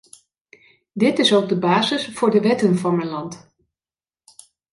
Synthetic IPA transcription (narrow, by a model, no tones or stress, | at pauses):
dɪtɪsowɡ̚dəbaːzɪsfʊːɹdəʋɛtənvɑnmənlɑnt